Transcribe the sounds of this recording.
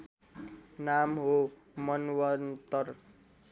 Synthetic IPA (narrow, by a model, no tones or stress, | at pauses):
namɦo | mʌnwʌnt̪ʌr